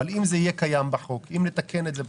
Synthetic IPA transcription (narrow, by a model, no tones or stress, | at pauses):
alimzeijekajambaħokimlet̪akʰenet̪zeb